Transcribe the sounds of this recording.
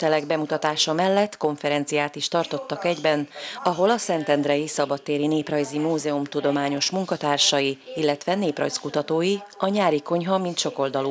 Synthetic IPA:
t̪ɛlɛɡbɛmut̪ɒt̪aːʃɒmɛlːɛt̪ːko̞ɱfɛɾɛnt̪sijaːt̪iʃt̪ɒrt̪o̞t̪ːɒkɛɟbɛnɒɦo̞lɒsɛnt̪ɛnd̪ɾɛjisɒbɒt̪ːeːɾineːprɒjzimuːzɛumt̪ud̪o̞maːɲo̞ʃmuŋkɒt̪aːrʃɒjiilːɛt̪ʋɛneːprɒ̰jskut̪ɒt̪oːjiɒɲaːɾiko̞ɲɦɒmint̪ʃo̞ko̞ld̪ɒluː

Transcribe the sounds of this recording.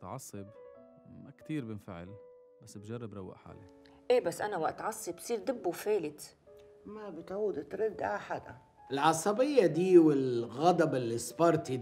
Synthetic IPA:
t̪ʕɑ̰sˤːɨb | makt̪iːɾbɪnfɪ̰ʕɪ̰l | basːbd͡ʒɑrˤːɑbɾˤɑwːa̰ʔħa̰ːli | ʔeːbasːʔanawaʔt̪ʕɑsˤːibsˤiːɾd̪ˤɪbːufeːlɪt̪ | mabɪt̪ʕuːd̪t̪ɾɪd̪ːʔaħad̪a̰ | ʔɪlʕɑsˤɑbɪjːad̪iːwɪlɣɑd̪ˤɑbɪlːisˤfɑɾˤt̪i

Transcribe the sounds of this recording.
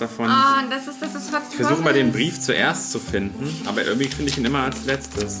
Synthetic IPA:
d̥afɔndasɪsd̥asɪsfaɪçfɛɐzuːxəmaːldeːnbʁiːft͡suʔḛːɐst͡sufɪndn̩ʔa̰ːbɐʔɪ̰ɐɡŋ̩tv̥ifɪndəɪçiːnʔɪmɐalslɛt͡stʰəs

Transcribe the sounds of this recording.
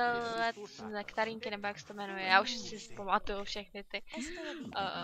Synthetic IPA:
ɛɛkt̪aɾiŋkɪnɛbojaksɛ̥t̪omɛnujɛjaːuʃsɪspomat̪ujufʃɛxnɪt̪ɪ

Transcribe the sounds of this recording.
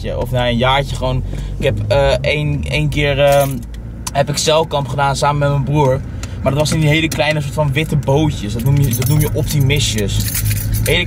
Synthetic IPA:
ə̰ʔɔfnaːənjaːɹcəχəʋownɪkɛpəenejnkɪːɹə | ɦɛpɪksɛlˠkɑmpχədaːnsaːməmɛtmənbruːɹ | maɹdɔtʋɑsɪndiɦejləklɛjnəsoːɹtfɑnʋɪtəbowcəsdɑtnumjədɑtnumjəʔɔp̚timɪsjəsɦelə

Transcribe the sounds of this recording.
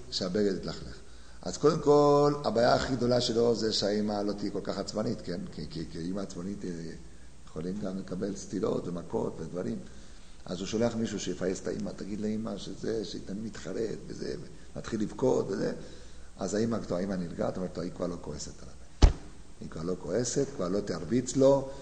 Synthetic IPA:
ʃeabeɡed̪it̪laχleχ | a̰zko̞d̪emko̞labaːjaːχiɡd̪o̞laʃelo̞zeʃeaimalo̞t̪ijeko̞lkaχat͡smanit̪ke̞nkikikiimaːt͡smanit̪ | jeχolimɡamlekabe̞lst̪ilo̞̰t̪vemako̞̰t̪ve̞d̪vaʁim | ʔa̰zuʃoleaχmiʃuʃejefajest̪aʔḭmat̪aɡid̪leimaʃezeʃeit̪animit̪χaʁe̞t̪vḛzḛve | mat̪χilːivko̞t̪vezḛ | azaimaɡtoaimaniɾɡa̰tome̞et̪aikvaʁlo̞ko̞eset̪alabe | aikvaʁlo̞ko̞e̞set̪kvaʁlo̞t̪eaʁbit͡slo̞

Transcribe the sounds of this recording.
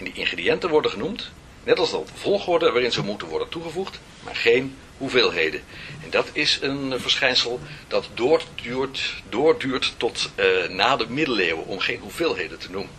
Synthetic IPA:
ɛndiʔɪnχrediɛntənʋɔɹdəχənumt | nɛtɑlˠsdɑəv̥ɔlˠχʊɹdəʋaːrɪnzəmutənʋɔɹdəntuχəvuχt | ma̰ːɹχejn | huveːlˠɦejdənɛndɑtɪsənvəɹsχɛjnsəlˠd̥ɑtd | dʊːɹdyːɹtːɔtnaːdəmɪdəleːwə̰ɔ̰mχejnɦuveːlˠɦejdəntənumən

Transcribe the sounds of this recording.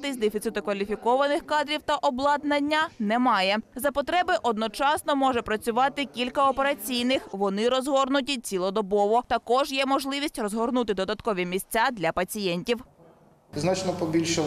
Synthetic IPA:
t̪ɪsʲd̪ɛfʲit̪sɪt̪ʊkʋɐlʲifʲikɔʋɐnɪxkɑd̪ɾʲiwt̪ɐʔɔblˠɑd̪nɐnʲːɐnɛmɑjɛzɐpɔt̪ɾɛbɪʔɔd̪̚nɔt͡ʃɑsnɔmɔʒɛpɾɐt͡sʲʊʋɑt̪ɪkʲilʲkɐɔpeɾɐt͡sʲijnɪxʋɔnɪɾɔzɦɔrnʊt̬ʲit͡sʲilˠɔd̪ɔbɔʋɔt̪ɐkɔʒjɛmɔʒlˠɪʋʲisʲtʲrɔzɦɔrnut̪ɪd̪ɔd̪ɐt̪kɔʋʲimʲisʲt͡sʲad̪lʲɐpɐt͡sʲijɛnʲtʲiw | znɑt͡ʃnɔpɔbʲilʲʃɛ

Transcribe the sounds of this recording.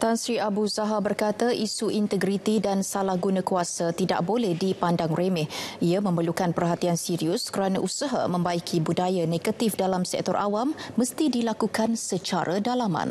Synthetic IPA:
t̪ansɾiabuzaɦabərkat̪aʔisuʔint̪əɡɾit̪idansalahɡunãkuasat̪ida̰ʔ̚bolɛhdipandaŋremɛhiamə̃mərlukanpərɦat̪iansiɾiʊskəɾanaʔusəɦa̰mə̃mbaikʰibudajaneɡət̪ifdalamsɛ̰k̚t̪ɔrʔawamːəst̪idilakukansət͡ʃa̰ɾʔədalama̰n

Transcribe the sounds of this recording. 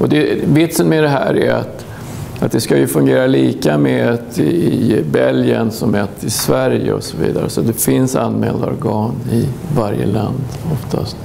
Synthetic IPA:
ɔd̪ɛvɪt̪sənmɛd̪ɛɦæːɾæɾa̰t̪ | at̪̚d̪ɛskajɵfɵŋɡeːɾaliːkamɛt̪ɪɪbɛljənsɔmɛt̪ɪsvæɾjə̰ɔsɔvḭːd̪aɾəsat̪̚d̪ɛfɪnsa̰nːmɛːld̪aɔɾɡɑːnɪvaɾjə̰land̪ɔft̪ʰast̪

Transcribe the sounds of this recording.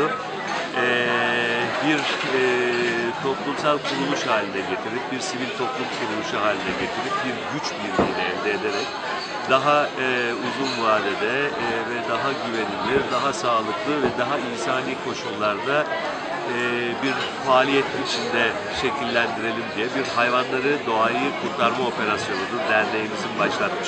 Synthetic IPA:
ɛ | biɾ | t̪ʰo̞plˠumsalʲˠkʰuɾulˠuʃhaːlʲinɛɟe̞t̪ʰiɾip̚biɾsivilʲt̪ʰo̞plˠumkʰuɾulˠuʃuɦaːlʲinɛɟe̞t̪ʰiɾip̚biɾɟyt͡ʃbiɾɡid̪ɛɛvd̪eːd̪e̞ɾɛc | d̪̥aɦauzunvaːd̪ed̪ɛvɛd̪aɦaɟyve̞nilʲid̪aɦasaːlˠɯklˠɯvɛd̪aɦainsaːniːkʰo̞ʃumlˠaɾd̪a | ɯ | biɾ | faːlʲijet̪ʰiit͡ʃʰind̪ɛ | ʃe̞cʰilʲːænd̪iɾe̞lʲimd̪ijɛbiɾhajvanlˠaɾɯd̪o̞ajɯkʰuɾt̪ʰaɾmao̞pe̞ɾasjo̞nud̪uɾd̪æɾlʲe̞jimizinbaʃlˠat̪mɯʃ

